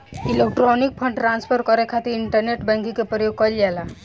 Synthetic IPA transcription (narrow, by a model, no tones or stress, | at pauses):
ɪlek̚ʈɾɔnik̚pʰə̃ɳɖʈɾãnspʰəɾkɔɾekʰat̪iɾɪɳʈəɾneʈbɛ̃ŋkikepɾəjoɡ̚kɔld͡ʒala